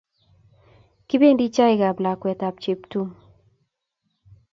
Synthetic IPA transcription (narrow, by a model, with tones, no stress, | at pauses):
kɪ˦be˦ndi˦t͡ʃa˦ɪ˨ɡa˨bla˨kwɛ˨t̪a˨p̚t͡ʃe˨ptu˦ŋ